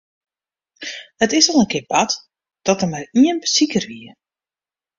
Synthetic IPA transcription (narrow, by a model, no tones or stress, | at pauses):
hətɪsɔlˠənkɪəpat | d̥ɔtərmariənbəsikərʋiə